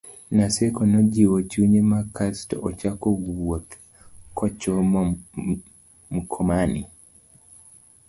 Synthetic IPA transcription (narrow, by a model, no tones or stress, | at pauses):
nasɛkɔnɔd͡ʒiwot͡ʃuɲemakastɔʔɔt͡ʃakɔwwɔt̪ | kɔt͡ʃɔ | m̩kʰɔmanḭ